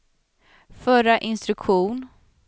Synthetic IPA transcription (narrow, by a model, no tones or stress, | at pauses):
fœɾaʔɪnst̪ɾɵkɧuːn